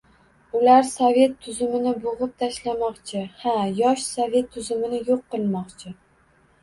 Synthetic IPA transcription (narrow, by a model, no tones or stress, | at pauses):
ʊlaɾsove̞t̪ʰːʊzʊmɪnɪboʁɨp̚t̪ʰaʃlamɒqt͡ʃʰɪhajɒʃsovʲe̞t̪ʰːʊzʊmɪnɪjoqːɨlˠmɒqt͡ʃʰɪ